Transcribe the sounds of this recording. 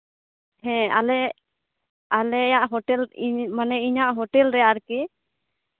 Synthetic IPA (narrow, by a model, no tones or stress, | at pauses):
hɛ̃alɛ | alɛjaʔɦɔʈɛlimanɛiɲaʔɦɔʈɛlɾɛjaʔɾkɛ